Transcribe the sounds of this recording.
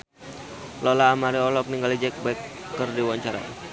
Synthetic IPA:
lɔlaːmaɾiɔlɔk̚niŋɡalid͡ʒɛk̚baikːərdiwaɲt͡ʃaɾa̰

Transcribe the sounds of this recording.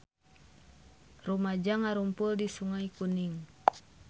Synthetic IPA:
rumad͡ʒaŋaɾumpuldisuŋaikuniŋ

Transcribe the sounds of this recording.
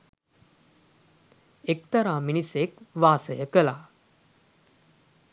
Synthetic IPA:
ek̚t̪əɾamiñisekʋaːsəjəkəla

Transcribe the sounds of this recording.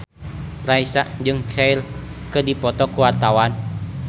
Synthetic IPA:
raisaʔd͡ʒɨŋkail | kədipɔt̪ɔkuwart̪awan

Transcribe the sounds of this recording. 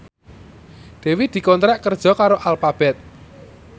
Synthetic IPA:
d̪̥ɛ̤wid̪̥i̤kɔnt̪ɾɛʔkərd̥ʒ̥ɔ̤kaɾoʔalpab̥ɛt̪̚

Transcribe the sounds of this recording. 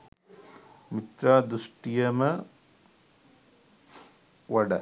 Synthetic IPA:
mit̪ɾaːd̪ɾuʂʈijɐmɐ | ʋɐɽɐ̰

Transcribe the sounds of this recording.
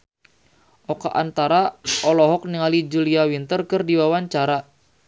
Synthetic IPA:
ʔɔkaʔant̪aɾaɔlɔɦɔk̚niŋalid͡ʒuliawint̪ərkɨrdiwawaɲt͡ʃaɾa

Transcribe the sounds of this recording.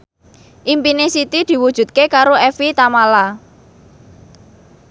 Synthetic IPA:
ʔimpinesit̪id̪̥i̤wud̥ʒ̥ṳt̪̚kekaɾoɛfit̪amala

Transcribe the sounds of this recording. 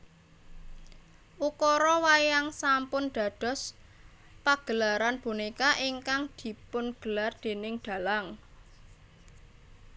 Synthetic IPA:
ʔukɔɾɔwajaŋsampʊnɖ̪̥ä̤d̪̥ɔ̤s | paɡ̥ə̤laɾanb̥unikaʔiŋkaŋd̪̥i̤pʊnɡ̥ə̤lard̪̥e̤nɪŋd̪̥ä̤laŋ

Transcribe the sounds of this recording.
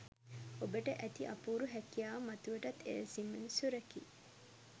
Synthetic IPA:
obəʈəʔæt̪iʔɐpuːɾuɦɛkijaːmɐt̪uʋeʈɐt̪ʰːḛlsimːenusuɾɐkḭː

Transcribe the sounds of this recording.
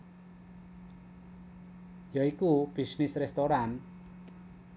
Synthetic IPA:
jaikub̥i̤snɪsrɛst̪oɾan

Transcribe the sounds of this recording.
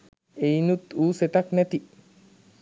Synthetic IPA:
ejnut̪uːset̪aknɛt̪i

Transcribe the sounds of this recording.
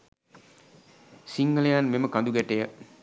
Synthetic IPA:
siŋɡəlejanmeməkãnd̪uɡɛʈejə

